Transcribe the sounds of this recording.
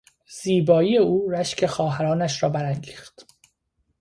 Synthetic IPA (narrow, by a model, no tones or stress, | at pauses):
z̥iːbɒːiːjeuːɾæʃcʰe̞xɒːɦæɾɒːnæʃɾɒːbæɾæŋɡiːxt̪